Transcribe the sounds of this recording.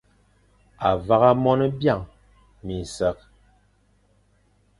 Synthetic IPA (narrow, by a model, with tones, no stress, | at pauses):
a˨va˦ɣa˦mɔ˦nə˦bja˦˨ŋ | mi˨n˨sɛ˦k̚